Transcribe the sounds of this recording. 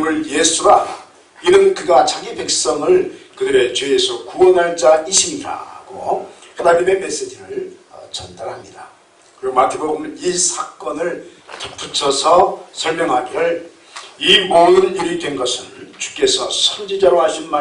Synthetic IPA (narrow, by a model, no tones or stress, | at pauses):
ŋɯɭjesʰuɾa | inɯnkɯɡat͡ɕaɡipe̞k̚s͈ʌŋɯɭkɯdɯɾe̞t͡ɕwe̞ːsʰʌkuwʌnɦaɭt͡ɕ͈aʔiɕʰiɲiɾa̰ɡ̥o̰ | hedaɲime̞me̞s͈e̞d͡ʑiɾɯɭ | ʌt͡ɕʌndaɾɦamɲida | kɯɾiɡomatʰeboɡɯmnisʰak͈ʌnɯɭtʌp͈ːut͡ɕʰʌsʰʌsʰʌɭmjʌŋɦaɡiɯɭ | imoŋɯnjuɾitʰe̞nɡʌsʰɯnt͡ɕu̥k͈e̞sʰʌsʰʌnd͡ʑid͡ʑaɾohaɕʰinma